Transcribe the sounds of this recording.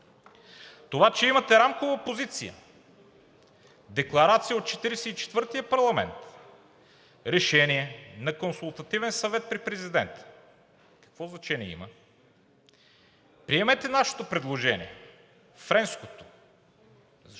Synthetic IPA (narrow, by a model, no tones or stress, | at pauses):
t̪ovat͡ʃɛimɐt̪ɛɾamkovɐpozit̪sḭjə̰ | d̪ɛklˠɐɾat̪sijəot̪̚t͡ʃɛt̪iɾɛsɛit͡ʃɛ̥t̪vɤɾt̪ijəpɐɾlˠɐmɛ̰nt̪ | ɾɛʃɛniɛnɐkonsulˠt̪ɐt̪ivɛnsɐvɛt̪̚pɾipɾɛzid̪ɛnt̪ə̥ | kɐ̥kvɔznɐt͡ʃɛniɛ̰ḭmə | pɾiɛmɛt̪ɛnaʃo̥t̪opɾɛd̪lˠoʒɛnḭɛ | fɾɛnskot̪o̥